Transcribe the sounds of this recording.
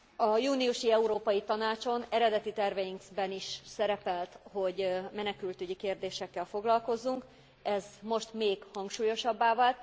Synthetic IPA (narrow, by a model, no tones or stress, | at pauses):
ɒjuːniuʃiɛuɾoːpɒjit̪ɒnaːt͡ʃo̞nɛɾɛd̪ɛt̪it̪ɛrvɛjiŋkzbɛniʃsɛɾɛpɛlt̪ho̞ɟmɛnɛkylt̪yɟikeːrd̪eːʃɛkːɛlfo̞ɡlɒlko̞zːuŋk | ɛzmo̞ʃt̪meːɡhɒŋkʃuːjo̞ʃɒbːaːvalt̪